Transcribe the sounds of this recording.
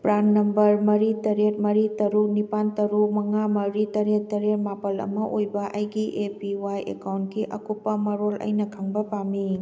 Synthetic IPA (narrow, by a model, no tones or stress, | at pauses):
pɾannːɐmbɐɾmɐɾitɐɾet̚mɐɾitɐɾuknipantɐɾukmɐŋamɐɾitɐɾet̚tːɐɾet̚mapʰɐlɐ̰mɐʔojbɐʔɐjɡiʔepiwajḛkawntkiʔɐkupːɐmɐɾolɐ̰jnɐkʰaŋbɐpami